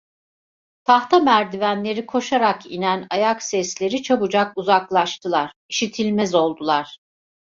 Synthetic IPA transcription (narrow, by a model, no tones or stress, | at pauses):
t̪ʰaht̪ʰamæɾd̪ivænlʲe̞ɾikʰo̞ʃaɾakḭnænajaksɛslʲe̞ɾit͡ʃʰabud͡ʒakuzaklˠaʃt̪ʰɯlˠaɾ̥iʃit̪ʰilʲmɛzo̞lˠd̪ulˠaɾ̥